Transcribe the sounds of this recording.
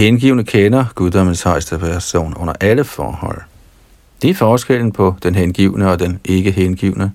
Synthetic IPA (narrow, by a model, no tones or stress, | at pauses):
henɡ̥ḭːʊnəkʰenɐɡ̥uðˠd̥ɒ̽m̰n̩shɑ̈ɪsd̥əpʰæɐso̝̰ːnɔ̽n̰ɐʔæləfɒ̰ːhɒ̽l̰ | d̥e̝æɐfɒːsɡ̥el̰n̩pʰɒ̽d̥enɦenɡ̥ḭːʊnəɒ̽d̥enʔe̝ɡ̥əɦenɡ̥ḭʊnə